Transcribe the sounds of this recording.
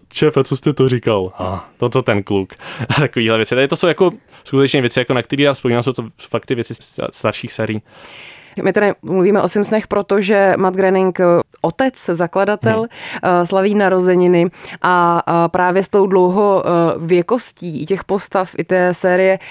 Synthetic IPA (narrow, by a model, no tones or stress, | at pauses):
t͡ʃɛfɛt͡sost̪ɛt̪uɾɪkalhat̪ot̪ot̪ɛnklukt̪akoviːɦlɛvjɛt͡sɪt̪adɪt̪osowjako | skut̪ɛt͡ʃɲɛvjɛt͡sɪjakonak̚t̪ɛɾiːdaːspojiːmaːsowt̪ofak̚t̪ɪvjɛt͡sɪ̰st̪aɾʃiːxsɛːɾɪjiː | mʔɪt̪ɛdɪmluviːmɛʔo̞sɪmsnɛxpɾʔo̞t̪oʒɛmad̪̚ɡɾɛnɪŋkʔot̪ɛt͡szakladat̪ɛlslaviːnaɾo̞zɛɲɪnɪʔapɾʔaːvjɛst̪owdlo̞wɦo̞vjɛkosciːɪcɛxpost̪afʔɪt̪ɛːsɛːɾɪjɛ